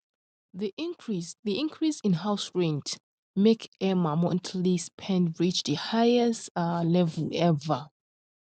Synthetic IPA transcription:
ðiɹiðiĩnkʰɹisĩnɦawsɹɛ̃nt | mekʰɛmamɔ̃ntʰlispʰɛ̃ndɹit͡ʃðəhajɛslɛvəlɛvə

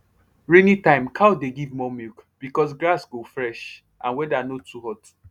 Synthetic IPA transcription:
ɹinitãɪ̃mkʰaʊdeɡivmɔmikb̥ikɔs̬ɡɾasɡofɹɛʃ | ʔã̰nwɛdanotːuhɔt

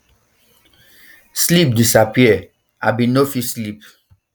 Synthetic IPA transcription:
slip̚disapiɛ | ʔa̰binofislip

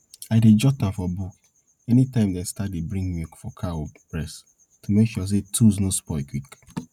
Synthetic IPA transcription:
aɪded͡ʒɔtãnfɔbuk | ɛnitãɪ̃mdɛ̃stat̚debɾĩŋɡmikfɔkʰaopɹɛs | tumekʃɔs̬etʰuznospɔɪkwik

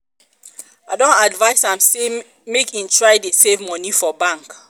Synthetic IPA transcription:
adõntadvaɪsãmse | mekĩntʰɹaɪdesevmɔnifɔbãŋk

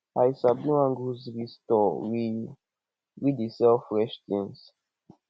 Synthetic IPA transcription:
ajisabnuãŋɡuzwistɔwi | widisɛlfɾɛʃtĩns

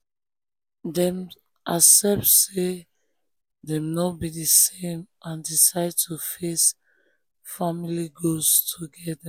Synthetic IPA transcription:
dɛ̃m | ʔasɛp̚tse | dɛmnɔbidisẽmʔãndisaɪd̚tʰufes | familiɡostʰuɡɛda

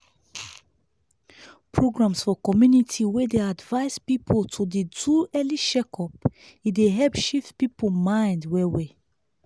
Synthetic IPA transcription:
pʰɹoɡɹãmsfɔkɔmjunitʰiwɛdeadvaɪzpipʰoltʰuditʰuɛliʃɛkʰɔp | ideɦɛpʃiftpipomãɪ̃ndwɛwɛ

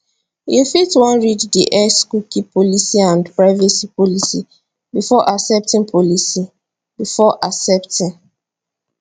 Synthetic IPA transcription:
jufitwɔ̃nɹiddiʔɛskukipɔlisiãndpɹaɪvɛsipɔlisi | bifɔʔasɛp̚tĩŋpʰɔlisi | b̥ifɔʔasɛptĩn

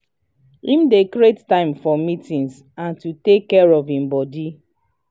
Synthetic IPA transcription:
ĩmdekɹettãɪ̃mfɔmitĩns | ãntutekːɛɹɔvĩmbɔdi

